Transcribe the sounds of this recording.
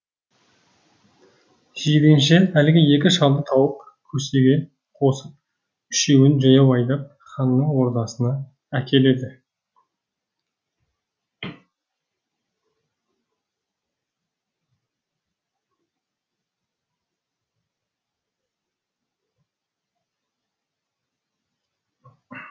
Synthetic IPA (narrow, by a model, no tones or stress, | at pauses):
ʒ̥id̪enʃeælɪɡʲɪje̞kʲɪʃɑlˠd̪ət̪ʰɑwəq | kʲʰɵse̞ɡʲe̞ | qʰo̞səp̚ | ʏʃe̞wɪnʒɑjɑwɑjd̪ɑp̚ | χɑnːəɴwo̞ɾd̪ɑsənɑ | ækʲʰe̞le̞d̪ɪ